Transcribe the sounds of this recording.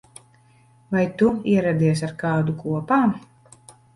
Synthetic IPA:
vajt̪uiɛɾad̪iɛs̬aɾkaːd̪ukuɔpaːm

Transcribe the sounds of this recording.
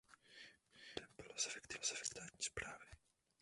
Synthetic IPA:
d̪ɛbɪlasɛfɛkt̪ɪasɛfɛkt̪aɲispɾaːvɪ

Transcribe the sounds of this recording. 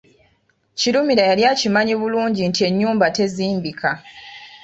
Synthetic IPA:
ciɾumiɾajaljacimaɲiβuluːɲɟintie̞ɲːuːmbate̞ziːmbikʰa

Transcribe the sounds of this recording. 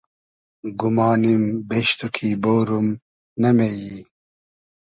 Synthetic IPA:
ɡumɑːnimbeɕt̪ukʰiboːɾum | nɐmeji

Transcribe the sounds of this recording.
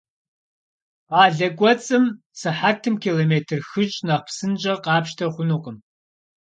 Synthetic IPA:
qɑːɮɐkʷʼɔt͡sʼɨm | sɨħatʰɨmkʰiloːmeːtʰɨrxɨt͡ʃʼnɐq̚psɨnt͡ʃʼɐqɑːpʃtʰɐχʷʊnuqʼəm

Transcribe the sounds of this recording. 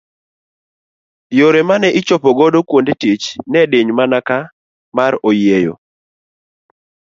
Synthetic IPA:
joɾemanɛʔɪt͡ʃopoɡɔdokwondetit͡ʃnɛdeɲmanaka | maɾojejo̰

